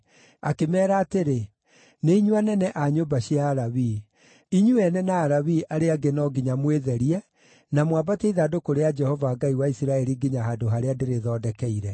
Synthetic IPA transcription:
akemɛːɾaːteɾe | neiɲuanɛnɛʔaɲombaɕiaːɾawi | iɲuɛnɛnaːɾawiʔaɾeaɡenɔɡiɲamweðɛɾiɛ | namwabateiðaːdokoɾead͡ʒɛhɔvaːɡaiwaisiɾaɛɾiɡiɲaɦadoɦaɾeadeɾeðɔːdɛkɛiɾɛ

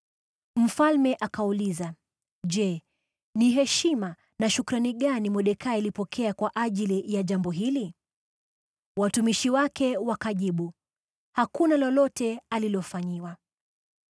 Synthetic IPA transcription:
m̩falmɛʔakauliza | ʄɛ | niɦɛʃima | naʃukuɾaniɠanimɔɗɛkʰailipɔkʰɛakwaʔaʄilijaʄambɔɦili | watumiʃiwakɛwakaʄiɓu | hakunalɔlɔtɛalilɔfaɲiwa

